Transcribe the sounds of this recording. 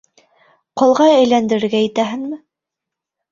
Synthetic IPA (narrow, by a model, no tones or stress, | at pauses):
qŏlˠʁɑæjlænd̪ɘ̆ɾɘ̆ɾɡæjɘ̆t̪æɦɘŋmɘ